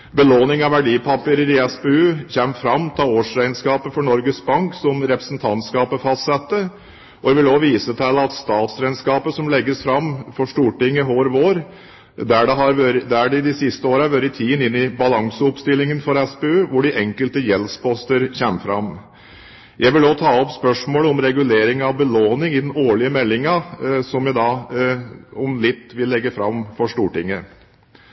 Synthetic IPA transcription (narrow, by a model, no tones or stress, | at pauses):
bəloːnɪŋɑʋæɖiːpʰɑpəɾəɾɪɛspeʉːçɛmfɾɑmːt̪ʰɑːoːʂɾæɪənskɑːpəfɔɳɔɾɡəsbɑŋksɔmɾɛpɾəsnt̪ʰɑnt̪skɑːpəfɑst̪sɛt̪ːə | ɔɛʋɪloːʋiːsət̪ʰɛləɑt̪st̪ɑːt̪sɾæɪənskɑːpəsɔmlɛɡːəsfɾɑmfɔʂʈuːʈɪŋːəɦoːɾʋoːɾ | d̪æɖɛɦɑɾʋøɾd̪æɖɪd̪ɪsɪst̪əoːɾəɑʋøːɾɪt̪ʰiːənɪnːɪbɑlɑŋsəʊpst̪ɪlːɪŋənfɔɾɛspɛøːʋʊɖɪʔɛŋkəlt̪əjɛlspɔst̪əɾçɛməfɾɑ̰m | jʔæɪʋɪloːt̪ʰɑːɔpspœʂmoːləɔmɾɛɡʉleːɾɪŋɑʋbəloːnɪŋɪd̪ɛnoːɭɪəmɛlːɪŋɑsɔmjæd̪ɑː | ɔmlɪt̪ːʋɪlːɛɡːəfɾɑmfɔʂʈuːʈɪŋːə